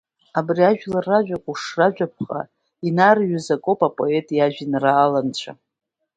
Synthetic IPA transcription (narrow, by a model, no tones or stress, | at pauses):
abriaʒᶣlarːaʒᶣakʷʼuʂraʒᶣap̚ʰχʼa̰ | inarɥʏzakʼopʼapʼo̞etʼjaʒᶣinraːlant͡ɕʷʰa̰